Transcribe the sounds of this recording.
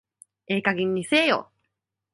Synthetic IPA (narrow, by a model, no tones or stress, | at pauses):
eːkaɡĩɲ̟ːiseːjo̰